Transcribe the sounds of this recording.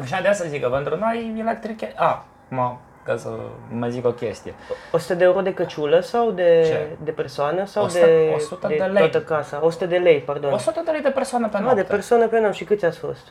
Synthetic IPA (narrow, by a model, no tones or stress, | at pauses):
aʃ̬ad̪easazikəpent̪ɾunojelek̚t̪ɾikʲeʔa | kuma | kasə̰məzikokʲest̪ijeosu̥t̪əd̪eeuɾo̞d̪e̞kət͡ʃuləsawd̪e̞ed̪epe̞rsoanəsawd̪eosut̪əd̪eeleat̪əkasao̞su̥t̪əd̪e̞le̞jpard̪o̞nosut̪əd̪elejd̪epersoanəpenad̪epersoanəpeanamʃikɨt̪sʲat̪sʲfo̞̰st̪